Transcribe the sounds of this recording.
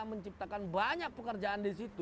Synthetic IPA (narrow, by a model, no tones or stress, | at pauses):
məɲt͡ʃip̚t̪akanbaɲak̚pəkərd͡ʒaʔandisit̪u